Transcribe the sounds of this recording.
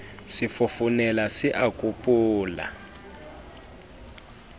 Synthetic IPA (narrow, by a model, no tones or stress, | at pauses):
sifufunɛlasiʔakʼupʼuːla̰